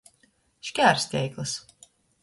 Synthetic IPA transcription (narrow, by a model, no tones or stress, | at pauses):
ʃʲkʲæːɾsʲt̪ʲɛjklˠɨs